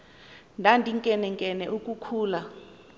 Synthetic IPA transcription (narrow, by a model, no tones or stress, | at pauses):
ndʱandʱiŋkʼɛnɛŋkʼɛnɛʔukʼukʰuːla